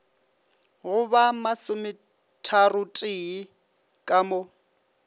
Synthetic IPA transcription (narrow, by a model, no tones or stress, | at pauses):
ɣʊbamasʊmɪ | tʰarʊtʼɪi | kʼamo